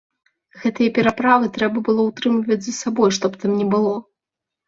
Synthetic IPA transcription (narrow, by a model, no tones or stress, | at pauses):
ɣɛt̪ɨjɐpʲɛɾapɾavɨt̪ɾɛbɐbɨlˠɔwt̪ɾɨmlʲivɐd͡zʲzɐsabɔjʂt̪ɔpt̪amnʲɛbɨlˠɔ